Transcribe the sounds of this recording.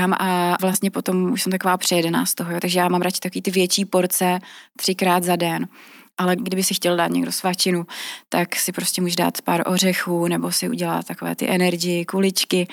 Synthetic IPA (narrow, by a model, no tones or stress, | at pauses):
amʔavlast̪ɲɛpo̞t̪o̞muʃsɛmt̪akovaːpr̝̥ɛjɛdɛna̰ːst̪oɦojot̪aɡʒɛjaːmamɾat͡ʃɪ̥t̪akoviːt̪ɪvjɛt͡ʃiːpo̞ɾt͡sɛt̪r̥ɪkɾaːd̪zadɛnʔalɛɡdɪbɪxsɪxcɛlda̰ːt̪ɲɛ̰ɡdo̞svat͡ʃɪnut̪aksɪpɾoscɛmuːʒɛda̰ːt̪paɾʔor̝ɛxuːnɛbo̞sɪʔṵɟɛla̰t̪t̪akovɛ̰ːt̪ɪ̰ʔɛnɛɾɡɪjɪkulɪt͡ʃkɪ